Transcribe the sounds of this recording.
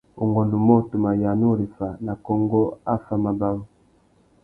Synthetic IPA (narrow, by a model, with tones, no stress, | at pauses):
u˨ŋɡɔ˨nu˨mɔ˦tu˨ma˨ja˨nu˦ɾi˨fa˨na˨kɔ˦ŋɡɔ˦a˦fa˦ma˨ba˦wu˦